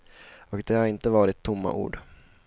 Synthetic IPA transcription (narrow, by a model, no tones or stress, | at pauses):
ɔkd̪ɛhaɾɪnt̪əvɑːɾɪt̪ʰːʊmːa̰ʔṵːɖ